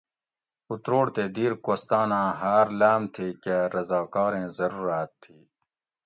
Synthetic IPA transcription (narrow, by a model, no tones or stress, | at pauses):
ut̪ɾoːɽt̪eːd̪iːɾkoːst̪aːnãːɦaːɾlaːmt̪ʰiːkeɾɐzaːkɑːɾẽːzɐɾuːɾaːt̪ʰːiː